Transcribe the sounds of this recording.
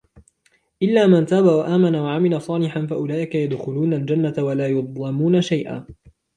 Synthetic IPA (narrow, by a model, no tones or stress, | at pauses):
ʔɪlːaːmant̪aːbawaʔaːmanawaʕamɪlasˤɑːlɪħanfaʔʊlaːʔɪkajad̪xʊluːnald͡ʒanːat̪awalaːjʊd̪ˤlɑmuːnaʃajʔa̰ː